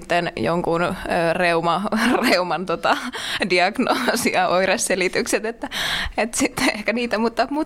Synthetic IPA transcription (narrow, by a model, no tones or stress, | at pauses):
t̪ːenjo̰ŋkunøːreumɑreumɑnt̪ot̪ɑdiɑɡnoːsiɑʔoiresselit̪ykset̪et̪ːæet̪sit̪ːehkæniːt̪æmuːt̪ːɑpmuːt̪